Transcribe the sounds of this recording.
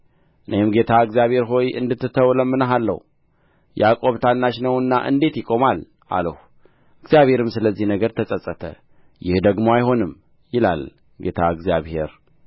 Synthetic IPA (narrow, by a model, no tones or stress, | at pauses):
ʔɨnejɪmɡe̞t̪ʰaɨɡzjaβhe̞ɾɦo̞jʔɨ̰nd̪ɨt̪ːɨt̪ʰəwləmːɨnəɦalːə̰w | jɛakʼo̞βt̪ʰanːaʃnəwɨnːa̰ʔɨ̰nd̪e̞t̪jɪkʼo̞mal | ʔa̰ləh | ɨɡzijaβhe̞ɾɨmsɨləzːihnəɡəɾt̪ʰəsʼəsʼːət̪ʰə̰ | jɪhd̪əɡmoajho̞nɨm | jɪla̰l | ɡe̞t̪ʰaɨɡzijaβhe̞ɾ